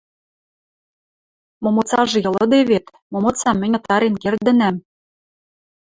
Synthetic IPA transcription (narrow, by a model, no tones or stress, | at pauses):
momɤ̆t͡sɑʒĕjɤ̆lɤ̆d̪eβet̪ | momot͡sɑmːɘ̆nʲɤ̆t̪ɑɾenkerd̪ɘ̆næm